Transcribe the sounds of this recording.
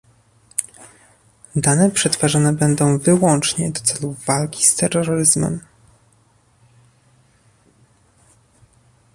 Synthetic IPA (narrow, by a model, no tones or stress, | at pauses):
d̪anɛpʂɛt̪faʐɔnɛbɛnd̪ɔ̃w̃vɘwɔnt͡ʂɲɛd̪ɔt̪sɛluvalkʲi̥st̪ɛɾːɔɾɔɾɘzmɛ̰m